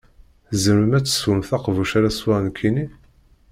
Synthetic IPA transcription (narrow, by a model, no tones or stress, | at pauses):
zəməmæt͡sːə̥swumθɑqvuʃaɾæswaʁnkʰːini